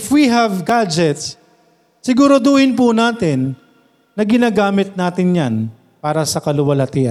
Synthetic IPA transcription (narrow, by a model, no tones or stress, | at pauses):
fwiɦɐvɡad͡ʒɛt̪s | sɪɡuːɾod̪uːhɪnpʊnaːt̪ɪnː | ɐɡɪnaːɡaːmɪt̪̚naːt̪ɪnjan | paːɾɐsɐkɐlʊwɐlɐt̪ɪʔɐ̰